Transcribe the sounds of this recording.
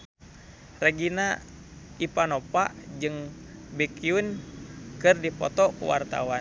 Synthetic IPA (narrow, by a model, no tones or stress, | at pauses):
rəɡina | ipanɔpa̰ʔd͡ʒɨŋ | bikiunkɨrdipɔ̰t̪ɔkṵwa̰rt̪a̰wa